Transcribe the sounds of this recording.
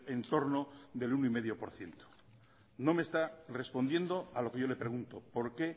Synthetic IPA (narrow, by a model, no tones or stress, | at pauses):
ent̪o̞ɾnoðe̞lunoime̞ðjo̞po̞ɾθje̞nt̪o̥ | no̞me̞ːst̪are̞spo̞nd̪je̞nd̪oalo̞ke̞ʝo̞le̞pɾe̞ɣunt̪opo̞ɾke̞